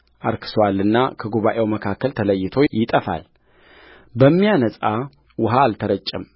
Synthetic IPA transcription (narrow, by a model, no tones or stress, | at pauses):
ʔaɾkʰɨ̥sowalːɨnːakʰəɡuβaʔe̞wməkʰakːəlt̪ʰələjːɪt̪ʰo̞jɪt̪ʼəfa̰l | bəmːijanəsʼa | wʊɦaːlt̪ʰəɾət͡ʃʼːəm